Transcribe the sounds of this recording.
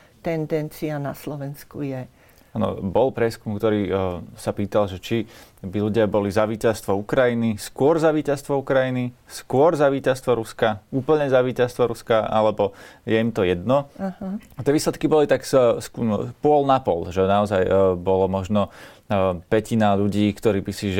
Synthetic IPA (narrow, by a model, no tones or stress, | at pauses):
t̪ɛnd̪ɛnt͡sianaslɔʋɛnskujɛ | anɔ̰bɔlpɾɪɛskumkt̪ɔɾiːsapiːt̪alʒɛt͡ʃibiluɟɪabɔlizaʋiːcast̪ʋɔukɾajiniskʊɔɾzaʋiːcast̪ʋɔukɾajiniskʊɔɾzaʋiːcast̪ʋɔɾuskauːpl̩ɲɛzaʋiːcast̪ʋɔɾuskaʔa̰lɛbɔjɛimt̪ɔjɛd̪nɔaɦt̪ːɪɛʋiːslɛt̪kibɔlit̪aksspʊɔlnapɔlʒɛnaɔzajbɔlɔmɔʒnɔ | pɛcinaʎuɟiːkt̪ɔɾiːbisiʒ